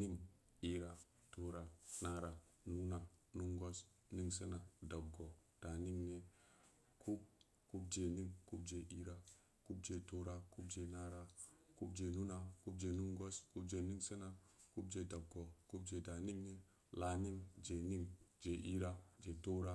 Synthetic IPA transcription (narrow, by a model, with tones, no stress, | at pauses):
ni˦m | i˦ɾa˦ | to˦ɾa˨na˦ɾa˨ | nu˦na˨nu˦ŋɡo˦s | ni˦ŋse˦na˨da˨b̚ɡɔ˨d̥a˨ni˦mne˨ | ku˦k | ku˦b̚d͡ʒe˨ni˦mku˦b̚d͡ʒe˨ʔi˦ɾa˦ | ku˦b̚d͡ʒe˨to˦ɾa˦ku˦b̚d͡ʒe˨na˦ɾa˦ku˦b̚d͡ʒe˨nu˦na˨ku˦b̚d͡ʒe˨nu˦ŋɡo˦sku˦bd͡ʒe˨ni˦ŋse˦na˨ku˦b̚d͡ʒe˨da˨b̚ɡɔ˨ku˦b̚d͡ʒe˨da˨ni˦mne˦ | la˨ni˦md͡ʒe˨ni˦md͡ʒe˨ʔi˦ɾa˦d͡ʒe˨to˦ɾa˦